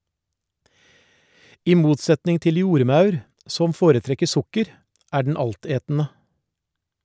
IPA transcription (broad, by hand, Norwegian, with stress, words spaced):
ˈiː ˈmuːtˌsɛtnɪŋ ˈtɪl ˈjuːɾˌmɑʉɾ ˈsɔm ˈfoːɾəˌtɾɛkə ˈsʊkəɾ ˈæː ɖɳ̩ ˈɑlˌteːtn̩ə